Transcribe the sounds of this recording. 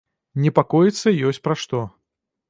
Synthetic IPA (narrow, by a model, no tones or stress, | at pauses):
nʲɛpakɔjit̪sːɐjɔsʲt͡sʲpɾɐʂt̪ɔ